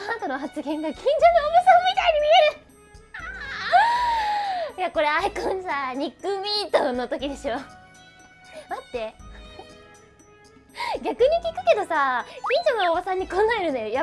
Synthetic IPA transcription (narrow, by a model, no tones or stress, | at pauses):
ãnt̪ono̞ɦat͡sɨɡẽ̞ŋɡakʲĩɲ̟d͡ʑo̞ːniomɯsamʲit̪aiɲ̟imʲieɾɯ̟ | jako̞ɾe̞aikõnsaɲ̟ikːɯmʲiːt̪õnːo̞t̪o̞kʲid̪e̞ɕo̞ | mat̪ːe̞ | ɡʲakɯ̟ɲ̟ikʲikɯ̟̥ke̞d̪o̞sakʲĩɲd͡ʑonaoβasãɲ̟ːikõnaeɾɯ̟nd̪ajoja